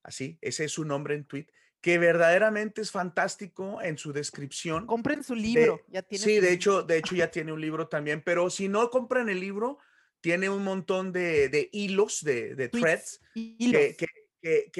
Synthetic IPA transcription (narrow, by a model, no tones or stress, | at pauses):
a̰sie̞̰seesunõmbɾe̞ːnt̪wit̪ | ke̞βe̞ɾðaðe̞ɾamẽnt̪e̞esfant̪ast̪iko̞e̞nsuðe̞skɾipsjo̞nkompɾensulid̪eoasiðeet͡ʃo̞d̪e̞et͡ʃo̞ʝat̪je̞ne̞unliβ̞ɾo̞t̪ambje̞npe̞ɾo̞sino̞ko̞mpɾene̞lːiβɾo̞ | t̪je̞ne̞unmõnt̪o̞nd̪e̞ðe̞ʔilo̞sðe̞ðet̪ɾet̪s | keke | kek